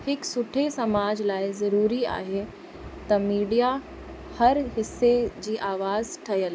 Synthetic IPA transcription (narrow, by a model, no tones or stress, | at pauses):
hɪksʊʈʰesɐmaːd͡ʑlaːizɐɾuːɾia̰ːɦe | t̪ɐmiːɖija | hɐɾɦɪsːed͡ʑiːʔaːʋaːzʈʰɐjəl